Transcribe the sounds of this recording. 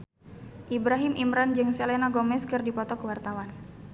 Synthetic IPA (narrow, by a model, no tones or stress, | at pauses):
ʔibɾaɦɪmʔimɾand͡ʒɨŋselenaɡomɛskɨrdipɔt̪ɔkəwart̪awan